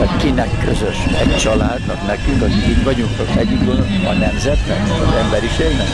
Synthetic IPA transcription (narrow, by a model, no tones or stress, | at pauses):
ɛkinɛkːøzøʃɛct͡ʃɒlaːd̪nɒknɛkyŋkɒkikit̪ʋɒɟuŋt̪okɛɟykonɒnɛmzɛt̪nɛ̰kɒ̰zɛmbɛɾiʃeːlnɛk